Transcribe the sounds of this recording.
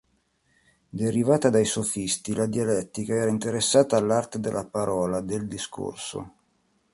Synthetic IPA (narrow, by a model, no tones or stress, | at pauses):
d̪eɾivaːt̪ad̪ajsofist̪ilad̪ialɛt̪ːikaɛːɾaint̪eɾesːaːt̪aːlːart̪ed̪elːapaɾɔːlad̪eld̪iskʰo̰rso̰